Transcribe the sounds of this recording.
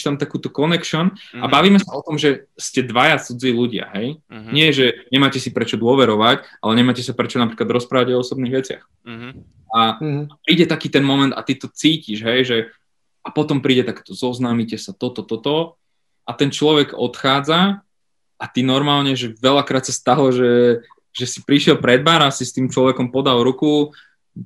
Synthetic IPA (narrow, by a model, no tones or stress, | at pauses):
ʃt̪amt̪akuːt̪ɔkɔnɛkʃɔnabaʋiːmɛsaɔt̪ɔmʒɛscɛd̪ʋajat͡sud͡ziːluɟɪa̰ɦɛjɲɪɛʒɛɲɛmaːcɛsipɾɛt͡ʃɔd̪ʊɔʋɛɾɔʋacalɛɲɛmajcɛsapɾɛt͡ʃɔnapɾiːklad̪ɾɔspɾaːʋaɟɔɔsɔbniːɣʋɛt͡sɪa̰x | aapɾiːɟɛt̪akiːt̪ɛnmɔmɛnt̪at̪it̪ɔt͡siːciʒɦɛjʒɛ | apɔt̪ɔmpɾiːɟɛt̪akt̪ɔzɔznaːmicɛsat̪ɔt̪ɔt̪ɔt̪ɔ | ʔat̪ɛnt͡ʃlɔʋɛɡɔ̰t̪xaːd͡za | ʔat̪inɔɾmaːlɲɛʒɛʋɛlakɾaːt̪sast̪aɦlɔʒɛ | ʒɛsipɾiʃɪɛlpɾɛd̪baːɾasist̪iːmt͡ʃlɔʋɛkɔmpɔd̪alɾuku